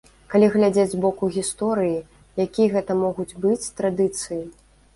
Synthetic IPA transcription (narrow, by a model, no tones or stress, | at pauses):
kalʲiɣlʲad͡zʲed͡zʲzbɔkuɣʲist̪ɔɾɨji | jakʲijɐɣɛt̪ɐmɔɣud͡zʲbɨt͡sʲt̪ɾad̪ɨt̪sɨji